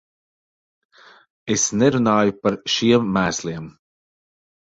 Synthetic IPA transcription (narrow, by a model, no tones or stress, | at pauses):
esnɛɾunaːjupaɾʃiɛmːæːslˠiɛm